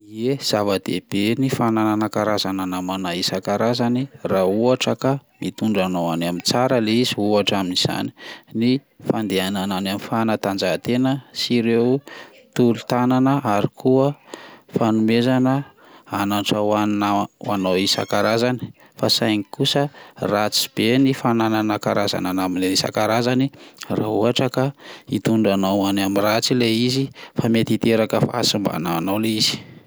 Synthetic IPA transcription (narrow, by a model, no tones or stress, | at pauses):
iez̥avad̪̥ḛb̥enifanananakaɾazananamanaisakaɾazanirauaʈ͡ʂəkamit̪uɳɖ͡ʐanoanamit͡saɾəleiziuaʈ͡ʂaminiz̥a̰ni̥ni | fand̪eanananamifanat̪and͡ʒat̪enəsiɾew | t̪ulut̪ananəʔaɾikuəfanumezanə | anaʈ͡ʂəaaanawisa̰kaɾazani̥ | fasajŋikusərat͡si̥b̥enifanananakaɾaza̰nanamilenisa̰kaɾazanira̰ɦuɦaʈ͡ʂəkait̪uɳɖ͡ʐanawanamirat͡sileizifamet̪it̪eɾakəfa̰a̰simba̰naanawleiz̥i̥